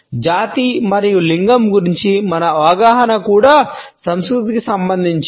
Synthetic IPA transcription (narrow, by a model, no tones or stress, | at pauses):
d͡ʒaːt̪imɐɾijuliŋɡɐmɡuɾiɲt͡ʃimɐnɐʋɡaːɦɐnɐkuːɽaːsɐmskɾut̪ikisɐmbɐnd̪ʱiɲt͡ʃ